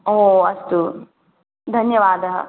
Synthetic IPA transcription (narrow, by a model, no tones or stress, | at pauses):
oːɐst̪u | d̪ʱɐnjɐʋaːd̪ʱɐɦɐ̰